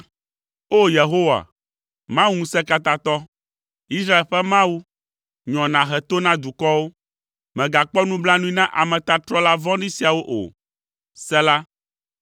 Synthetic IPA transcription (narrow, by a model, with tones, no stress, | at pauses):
o˦je˨ɦo˦wa̰˨ | mã˦wu˦ŋũ˦sɛ˦ka˦t̪a˦t̪ɔ˦ | i˦sɾa˦e˨lɸɛ˦mã˦wu˦ | ɲɔ̃˨nã˨ɦɛ˨t̪o˦nã˦d̪u˨kɔ˦wo˦ | mɛ̃˨ɡa˨k͡pɔ˦nũ˦bla˦nũ˦ĩ˦nã˦ʔa˨mɛ̃˨t̪a˨t̪ɾɔ˦la˦vɔ̃˦nĩ˦si˨a˨wo˦ʔo̰˨ | sɛ˦la˦